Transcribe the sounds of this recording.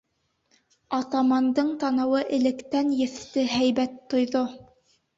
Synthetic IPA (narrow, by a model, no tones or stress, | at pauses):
ɑt̪ɑmɑnd̪ɤɴt̪ɑnɤ̆wɤʔɘ̆lɘ̆kt̪ænjɘ̆θt̪ɘɦæjβæt̪ːŏjðo